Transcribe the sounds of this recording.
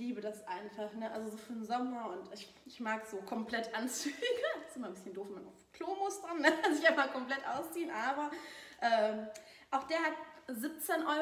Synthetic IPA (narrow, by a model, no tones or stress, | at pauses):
liːbədasʔaɪnfaχnəʔalzozoːfːɐdnzɔmɐʊntɪç | ɪçmaːkz̥oːkʰɔmplɛtʔant͡syːɡəsɪmaːnbɪsçəndoːfmana̰ʊfkʰl̥oːmʊstɐnːəazɪçʔaɪnfakʰɔmplɛtʔa̰ʊst͡siːənʔaːbɐʔɛː | ʔaʊxd̥eːɐhat̚zip̚t͡senʔɔʏ